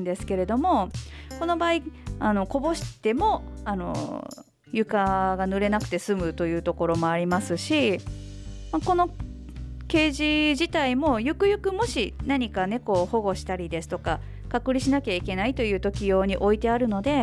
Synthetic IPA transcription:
nd̪e̞sɨ̥ke̞ɾe̞d̪o̞mo̞ko̞no̞baːiano̞ko̞bo̞ɕi̥t̪e̞mo̞ano̞̰ | jɯ̟kaɡanɯ̟ɾe̞nakɯ̟̥t̪e̞sɨmɯ̟t̪o̞jɯ̟ːt̪oko̞ɾo̞mo̞aɾʲimasɨɕi | mako̞no̞ | ke̞ːʑiʑit̪aimo̞jɯ̟kɯ̟jɯ̟kɯ̟mo̞ɕinaɲ̟ikane̞ko̞ːho̞ɡo̞ɕi̥t̪aɾʲid̪e̞sɨ̥t̪o̞ka | kakɯ̟ɾʲiɕinakʲaike̞nait̪o̞jɯ̟ːt̪o̞kʲijo̞ːɲ̟iʔo̞it̪e̞aɾɯ̟no̞d̪e̞

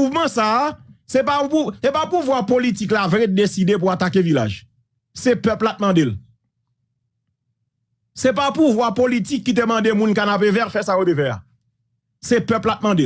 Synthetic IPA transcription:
uvmʌ̃sasɛpãpusepapuvwaʁpolitiklaved̪esidep̬uatakevila̰ʒ | sepœplat̪̚mɑ̃del | sɛp̬apuvwapolitikːit̪̬emɐ̃demũnkanapevɛʁfɛsajot̪evɛa̰ | sɛpœplat̪̚mɑ̃de

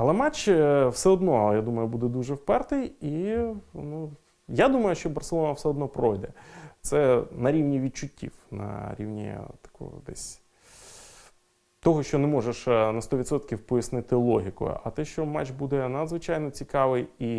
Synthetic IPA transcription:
ɐlˠɛmat͡ʃwsɛɔd̪nɔjad̪umɐjʊbud̪ɛd̪uʒɛwpɛrt̪ɪji | nu | jad̪umɐjʊʃt͡ʃɔbɐrselˠɔnɐwsɛɔd̪nɔpɾɔjd̪ɛt̪sɛnɐɾʲiwnʲiʋʲid̪̚t͡ʃʊtʲːḭwnɐ̰ɾʲḭwnʲḭt̪ɐ̥kɔ̰d̪ɛ̰sʲ | t̪ɔɦɔʃt͡ʃɔnɛmɔʒeʃnɐst̪ɔʋʲid̪sɔt̪kʲiwpɔjɐsnɪt̪ɪlˠɔɦʲikʊ̰ɐ̰t̪ɛʃt͡ʃɔmat͡ʃbud̪ɛnɐd̪zʋɪt͡ʃajnɔt͡sʲikɑʋɪji

